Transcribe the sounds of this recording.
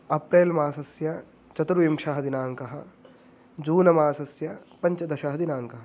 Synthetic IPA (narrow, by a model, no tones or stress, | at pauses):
ɐpɾeːlmaːsɐsjɐ | t͡ʃɐt̪ɾuʋimʃɐɦɐd̪inaːŋkɐɦɐ̆ | d͡ʒuːnɐmaːsɐsjɐpɐɲt͡ʃɐd̪ɐʃɐɦɐd̪inaːŋkɐɦɐ